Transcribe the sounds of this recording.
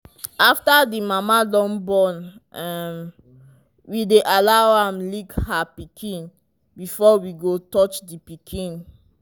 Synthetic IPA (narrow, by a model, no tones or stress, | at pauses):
aftadimamadɔ̃nbɔ̃nɛm | wideʔalawãmlikhapikʰĩn | bifɔwiɡotɔt͡ʃdipikʰĩn